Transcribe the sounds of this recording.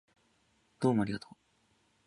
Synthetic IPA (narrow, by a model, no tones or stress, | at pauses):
d̪̥o̞ːmoaɾiɡat̪ʰoː